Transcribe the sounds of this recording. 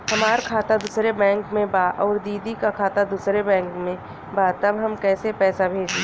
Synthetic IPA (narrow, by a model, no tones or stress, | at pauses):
hɐmaːɾkʰaːt̪ad̪ʊsɾebɛ̃ːŋkmẽbaːʔɔːɾd̪iːd̪ikakʰaːt̪ad̪usɾebɛ̃ːŋkmẽ | bat̪ɐbɦɐmkɛːsepɛːsabʱeːd͡ʒi